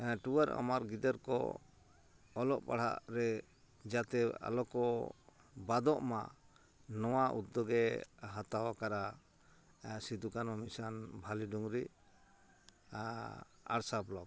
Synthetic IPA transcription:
ʈuaɾa̰maɾɡid̪əɾkɔ̰ | ɔlɔʔpa̰ɽ̤a̰ʔɾɛ | d͡ʒat̪ɛa̰lɔkɔ | bad̪ɔʔma̰ | nɔwaʔṵt̪ːɔɡɛɦat̪awakaɾa | sid̪ukanɔmisanbʱaliɖuŋɾi | a | a̰ɽsablɔɡ

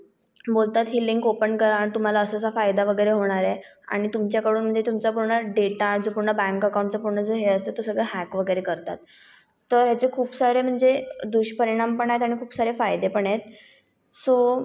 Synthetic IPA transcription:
bolt̪at̪ɦilːiŋkopəɳkəɾant̪um̤alaəsəsafajd̪aʋəɡəjɾeɦoɽ̃aɾe | a̰ɽ̃it̪umt͡ɕjakəɽuːnm̤əɳd͡zet̪umt͡sapuɾɳəɖeʈaɾd͡zopuɾɳəbæ̃ŋkəkaw̃ɳʈt͡sapuɾɳəd͡zoɦeəst̪ot̪osəɡɭeɦækʋəɡəjɾekəɾt̪a̰t̪̚ː | əɾɦjat͡sekʰuːpsaɾem̤əɳd͡zed̪uɕpəɾiɽ̃ampəɳaɦjet̪aɽ̃ikʰuːpsaɾefajd̪epəɳaet̪ | so

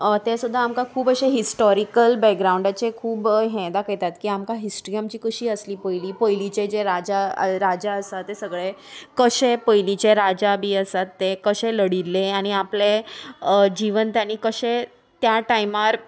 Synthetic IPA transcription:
t̪esud̪ʱːaːmkakʰuːbəɕeɦisʈɔɾikəlbɛk̚ɡɾauɳɖat͡ɕekʰuːbɦẽd̪akəjt̪at̪kiːamkaɦisʈɾijamt͡ɕiːkəɕiːəsliːpəjliːpəjlit͡ɕed͡ʑeɾad͡ʑaɾad͡ʑaəsat̪ːesəɡɭekəɕepəjlit͡ɕeɾad͡ʑabʱiːəsat̪ːekəɕeləɽilːeaɽ̃iaple | d͡ʑiʋənt̪anikəɕe | t̪jaʈajmaɾ

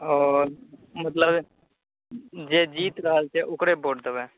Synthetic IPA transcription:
ɔːɾmət̪ləb | d͡ʒeːd͡ʒiːt̪ɾəɦəlt͡ʃeʔʊkɽebʱoːɖt̪əbɛ̃ː

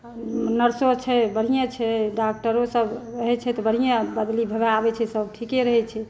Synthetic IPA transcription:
nəɾsot͡ʃʰɛbəɽ̤ijãt͡ʃʰɛɖak̚ʈəɾosəbɾəɦɛt͡ʃʰɛt̪ɔbəɽ̤ijabəd̪libʱəbeabɛt͡ʃʰɛsəbʈʰikeɾəɦɛt͡ʃʰɛ

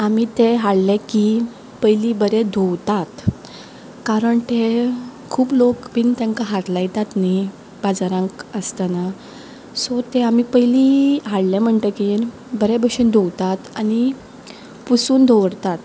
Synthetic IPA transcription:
amit̪eɦaɽlɛ̃ki | pəjliːbəɾed̪ʱowt̪at̪ | kaɾəɳt̪ekʰuːplokbint̪ɛ̃ŋkaɦaɾlajt̪at̪ni | bad͡zaɾãŋkəst̪ana | sɔt̪eamipəjliɦaɽlɛ̃m̤əɳt̪əkin | bəɾebəɕiːnd̪ʱowt̪at̪ani | pusuːnd̪ʱoʋəɽt̪at̪

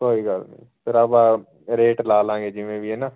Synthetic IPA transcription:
soːiːɡəlmḛ̃ːpʰɪɾabaː | ɾeːʈlaːlãːŋɡeːd͡ʒɪʋẽːbiɛːnaː

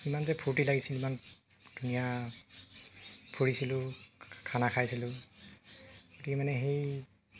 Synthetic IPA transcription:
imanzɛpʰuɹtilaɡisiliman | dunija | pʰoɹisilʊkʰanakʰajsilʊ | ɡ̥otikɛmanɛɦej

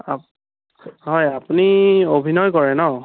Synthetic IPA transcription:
a | ɦɔjapuniobʱinɔjkɔɹɛnɔ

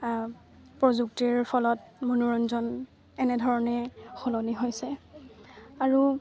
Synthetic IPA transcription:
pɹɔzuk̚tiɹpʰɔlɔtmonuɹɔnzɔn | ɛnɛdʱɔɹɔnɛxɔlɔniɦojsɛ | aɹu

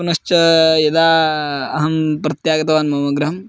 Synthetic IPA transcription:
ɐnɐʃt͡ʃɐjɐd̪aːɐɦɐmpɾɐt̪jaːɡɐt̪ɐʋaːnmɐmɐɡɾɐɦɐm

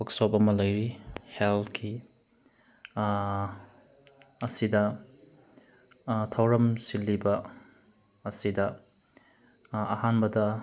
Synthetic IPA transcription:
wɐksopɐmɐlɐjɾihelt̚kʰi | sidɐ | tʰɐwɾɐmsilːibɐː | sidɐ | hanbɐdɐ

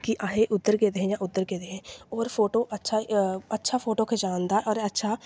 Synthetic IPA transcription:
kɪʔãːɦeːʔʊd̪ːəɾɡeːd̪eɦɛ̃ːjãːʊd̪ːəɾɡeːd̪eɦɛ̃ːɔːɾpʰoːʈoːʔətːʃʰaːətːʃʰaːpʰoːʈoːkʰed͡ʒaːnd̪aːʔɔːɾətːʃʰaː

